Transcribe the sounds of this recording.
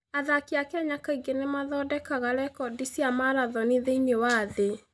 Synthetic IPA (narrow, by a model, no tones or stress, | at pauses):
aðakiakɛɲakaiɡenemaðɔdɛkaɣaɾɛkɔdisiamaɾaðɔneðeiɲewaðe